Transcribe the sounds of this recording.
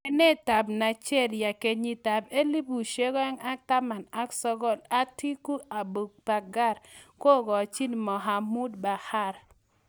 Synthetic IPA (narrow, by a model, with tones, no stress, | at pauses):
ɛ˦ne˦˨ta˨bna˨t͡ʃɛ˦˨dja˨ke˨ɲi˨ta˨be˦li˦bu˨ʃe˦ɡɔ˦ɛ˦ŋa˦ta˦ma˨na˦ksɔ˦ɡɔ˦˨la˦ti˦ku˦a˨bu˨ɡ̚pa˨ɡa˦˨ɾko˦˨ɡɔ˨t͡ʃi˦nmɔ˨ɦa˨mu˦dba˨ha˦˨ɾ